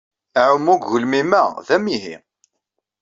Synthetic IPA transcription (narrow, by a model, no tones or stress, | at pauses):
ʕʊmːuɡːəlmimæðæmiɦḭ